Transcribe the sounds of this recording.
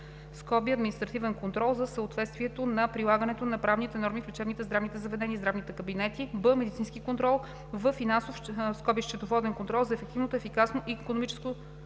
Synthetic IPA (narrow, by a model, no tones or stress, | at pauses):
skɔbiɐd̪minist̪ɾɐt̪ivɛnkont̪ɾɔlˠzɐsəot̪vɛt̪st̪viɛt̪onɐpɾilˠaɡənɛt̪onɐpɾavnit̪ɛnɔɾmiflʲɛt͡ʃɛbnit̪ɛzd̪ɾavnit̪ɛzɐvɛd̪ɛnizd̪ɾavnit̪ɛkəbinɛt̪ibəmɛd̪it̪sinskikont̪ɾɔlˠ | vəfːinansofskɔbiʃt͡ʃɛt̪ovɔd̪ɛnkont̪ɾɔlˠzɐɛfɛk̚t̪ivnot̪oɛfikasnoʔikonomit͡ʃɛ̥sko